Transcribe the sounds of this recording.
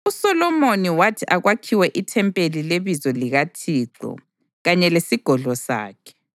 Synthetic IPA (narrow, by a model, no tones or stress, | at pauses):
usɔlɔmoniwatʰiʔaɣwakʰiwɛʔitʰɛmpʼelileβizɔliɣatʰiːǀɔ̰ | ɣaɲɛlesiɡ̥ʱɔɮɔsa̰ːkʰɛ̥